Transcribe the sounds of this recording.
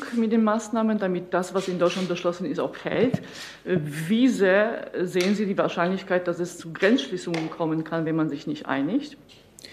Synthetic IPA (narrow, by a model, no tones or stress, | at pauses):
kmɪt̚d̥eːnmaːsnaːməndamɪt̚d̥asv̥asɪndɔʏtt͡ʃlant̚b̥əʃlɔsn̩ɪsta̰ʊxfɛ̰lt | vizeːɐzeːənziːdiːvaːɐʃaɪnlɪçkaɪt̚d̥asɛst͡suɡʁɛnsʃliːsʊŋənkʰɔmənkʰanvɛnmanzɪçnɪçtʔa̰ɪnɪçt